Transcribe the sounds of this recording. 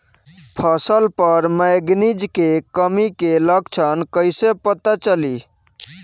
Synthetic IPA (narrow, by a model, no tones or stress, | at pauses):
pʰəsəlpəɾməɡnid͡ʒkekəmikeləɡt͡ʃʰənkəɪsepət̪at͡ʃəli